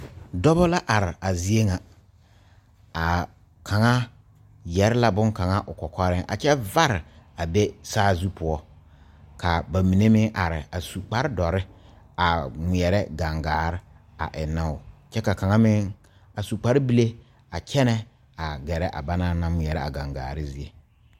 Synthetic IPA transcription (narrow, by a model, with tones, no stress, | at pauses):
dɔ˦bɔ˦la˦ʔa˨ɾɪ˨a˨zi˦e˦ŋa˨ | a˨ | kʰa˨ŋa˦ | jɛ˨ɾɪ˦la˦bʊ˦ŋka˨ŋa˦ʔʊ˨kɔ˨kɔ˦ɾɪ˦ʔa̰˨t͡ʃɛ˦va˦ɾɪ˨a˨be˦saː˦zu˦pʊ˦ɔ˦ | ka˨ba˨mi˨ne˦mɪ˦ŋʔa˨ɾɪ˨a˨su˨k͡pa˦ɾɪ˦dɔ˨ɾɪ˦ | a˨ŋɪ˨ɛ˨ɾɛ˦ɡa˨ŋɡaː˨ɾɪ˦ | a̰˨ʔɪ˨na˦ʊ˨t͡ʃɛ˦ka˨ka˨ŋa˦mɪ˦ŋ | a˨su˨k͡pa˨˦ɾɪ˦bi˦le˦ | a˨kʰɛ˦nɛ˦ | a˨ɡɛ˨ɾɛ˦ʔa̰˨ba˦na˦na˦mɪ˨ɛ˨ɾɛ˦a̰˨ɡa˨ŋɡa̰ː˨ɾɪ˦zi˦e˨